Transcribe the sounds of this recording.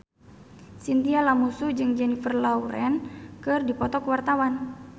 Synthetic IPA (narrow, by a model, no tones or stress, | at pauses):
sint̪ialamusud͡ʒɨŋd͡ʒɛnifərlauɾɛ̰nkɨrdipɔt̪ɔkwart̪awan